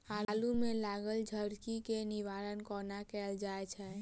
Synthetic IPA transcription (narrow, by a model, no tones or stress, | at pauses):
alumẽlaɡəld͡ʒʱəɾkikeniʋaɾənkɔnakɛld͡ʒaet͡ʃʰɛ